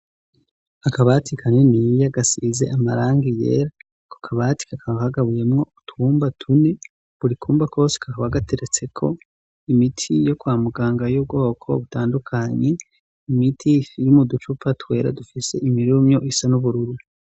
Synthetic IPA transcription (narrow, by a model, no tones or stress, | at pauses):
akaβatʰikʰaɲenijaɡasize̞̰ʔamaɾaːŋɡije̞̰ːɾa | kʰo̥kʰaβati̥kakʰaβahaɡaβuje̞mŋo̞utuːmbatʰune̞ | βuɾikʰuːmbako̞ːse̥kʰakaβaɡatʰe̞ɾet͡se̞kʰo̞̰ | imitʰijo̞kwaːmuɡaːŋɡajub̚ɡo̞ːkʰo̞̰βutaːndukʰaɲe | imitʰijumudut͡ʃupʰatwe̞ːɾa̰dufise̞̰ʔimiɾumɲo̞ʔisanuβuɾuɾu